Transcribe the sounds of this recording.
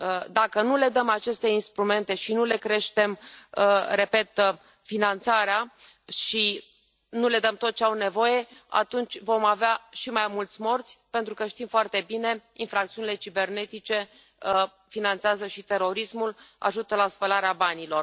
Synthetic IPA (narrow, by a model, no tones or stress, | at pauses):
d̪akənule̞d̪əmat͡ʃe̞st̪e̞inst̪ɾume̞nt̪e̞ʃinule̞kɾe̞ʃt̪e̞m | re̞pe̞t̪ | finant̪saɾea | ʃi | nule̞d̪əmt̪o̞t̪̚t͡ʃeawne̞vo̞je̞a̰t̪unt͡ʃʲvo̞maveaʃimajmult̪sʲmo̞rt̪sʲpe̞nt̪ɾukəʃt̪imfoart̪e̞bine̞infɾakt̪siunile̞t͡ʃibe̞rne̞t̪it͡ʃe̞ | finant̪seazəʃit̪e̞ɾo̞ɾismula̰ʒut̪əlaspəlaɾeabanilo̞r